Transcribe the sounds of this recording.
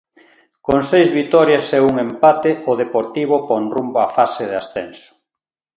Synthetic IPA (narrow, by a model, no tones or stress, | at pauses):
koŋsejzβit̪ɔɾjasɛuŋempat̪eʔoðepoɾt̪iβoponrumboafaseðeasθɛ̰nso̥